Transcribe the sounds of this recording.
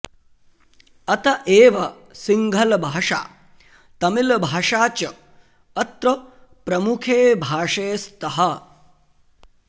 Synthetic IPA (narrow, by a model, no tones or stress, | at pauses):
ɐt̪ɐʔeːʋɐ | siŋɡʱɐlɐbʱaːʂa̰ː | t̪ɐmilɐbʱaːʂaːt͡ʃɐ | ɐt̪ɾɐ | pɾɐmukʰeːbʱaːʂeːst̪ɐɦɐ